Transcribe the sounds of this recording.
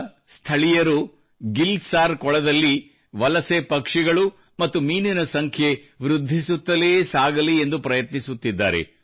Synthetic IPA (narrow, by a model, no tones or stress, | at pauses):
st̪ʰɐɭijɐɾu | ɡilsaːɾkɔɭɐd̪ɐlːi | ʋɐlɐsepɐkʂɛɡɐɭu | mɐt̪ːumiːninɐsɐŋkʰje | ʋɾud̪ʱːisut̪ːɐleːsaːɡɐliend̪upɾɐjɐt̪nisut̪ːid̪ːa̰ːɾḛ